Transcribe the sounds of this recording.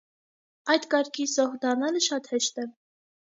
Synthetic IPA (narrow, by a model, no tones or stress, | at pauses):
ɑjd̪kɑɾkʰisɔhd̪ɑrnɑləʃɑt̪hɛʃt̪ɛ